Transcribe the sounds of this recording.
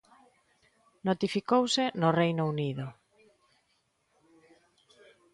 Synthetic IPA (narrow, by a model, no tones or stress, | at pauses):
not̪ifikowsɪnʊrejnouniðʊ